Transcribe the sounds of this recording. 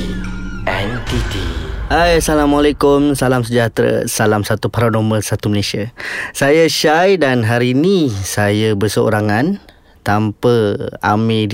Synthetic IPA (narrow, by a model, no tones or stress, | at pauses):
ʔɛnt̪it̪iajasalamalakʊmsalamsəd͡ʒat̪ɾə̰salamsat̪upaɾanoməlsat̪uməlesiasajaʃajdanɦaɾinisajəbərsəo̰ɾaŋãn | t̪ampəa̰mi